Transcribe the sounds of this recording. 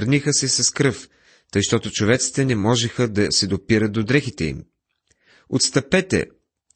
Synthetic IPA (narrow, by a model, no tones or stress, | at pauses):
ɾnixəsɛsɐskɾɤf | t̪əjʃt̪ɔt̪ot͡ʃovɛt̪si̥t̪ɛnɛmɔʒɛxəd̪ɐsɛd̪opiɾət̪̚d̪od̪ɾɛxit̪ɛḭm | ot̪st̪ɐpɛt̪ɛ̰